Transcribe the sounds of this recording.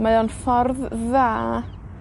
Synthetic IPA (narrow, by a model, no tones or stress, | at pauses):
maɨɔnfɔrðːaː